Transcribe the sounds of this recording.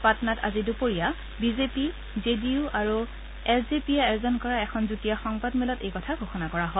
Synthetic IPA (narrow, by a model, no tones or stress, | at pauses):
patɔnatʰa̰zidupoɹija | bizepi | zediuʔaɹu | ɛlzepiɛɛjzɔnkɔɹaɛkʰɔnzutijaxɔŋbadmɛlɔtejkɔtʰaɡʱoxɔnakɔɹaɦɔ